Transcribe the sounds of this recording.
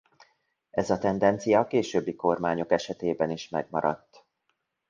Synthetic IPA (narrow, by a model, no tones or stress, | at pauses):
ɛzɒt̪ɛnd̪ɛnt̪sijɒkeːʃøːbːiko̞rmaːɲo̞kɛʃɛt̪eːbɛniʃmɛ̰ɡmɒ̰ɾɒ̰t̪ː